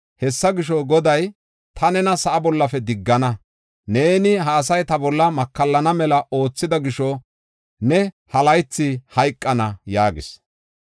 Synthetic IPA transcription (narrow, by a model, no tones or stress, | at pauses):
hɛsːɐɡɪʃɔɡɔd̪ɐj | t̪ʰɐnɛnɐsɐʔɐbɔlːɐfɛd̪ɪɡːɐnɐ | ne̞ːnɪɦaːs̬ɐjt̪ɐbɔlːɐmɐkːɐlːɐnɐmɛlɐʔo̞ːt͡sːɪd̪ɐɡɪʃɔ | nɛ | hɐlɐjt͡sːɪhɐjkʼːɐnɐjaːɡɪs